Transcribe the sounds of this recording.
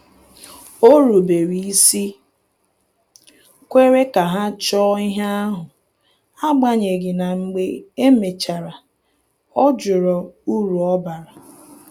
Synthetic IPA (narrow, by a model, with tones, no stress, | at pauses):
o˦ɾu˨be˨ɾi˨i˦si˦ | kʷe˦ɾe˦ka˨ɦa˦t͡ʃɔ˦i˦ɦa˦a˦ɦʊ˨ | a˦ɡ͡ba˦ɲe˨ɡɪ˨na˨ŋ͡m̩˦ɡ͡be˦e˦me˨t͡ʃa˨ɾa˨ | ɔ˦d͡ʒʊ˨ɾɔ˨u˦ɾu˨ɔ˦ba˨ɾa˨